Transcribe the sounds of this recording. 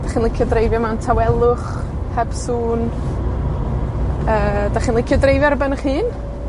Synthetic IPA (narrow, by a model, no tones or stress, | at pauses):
d̥aχiːnlˠɪkʰjɔdrejvjɔmantʰawɛlˠʊχ | hʰɛb̥suːn | əːd̥aχiːnlˠɪkʰjɔdrejvɛrbanəχiːn